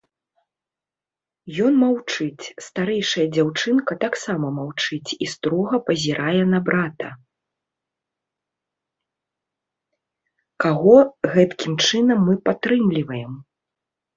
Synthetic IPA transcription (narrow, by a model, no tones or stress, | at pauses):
jɔnmawt͡ʂɨt͡sʲst̪aɾɛjʂɐjɐd͡zʲawt͡ʂɨnkɐt̪aksamɐmawt͡ʂɨt͡sʲist̪ɾɔɣɐpɐzʲiɾʔajɛnɐbɾat̪ɐ | kaɣɔɣɛt̪kʲimt͡ʂɨnɐmːɨpat̪ɾɨmlʲivɐjɛm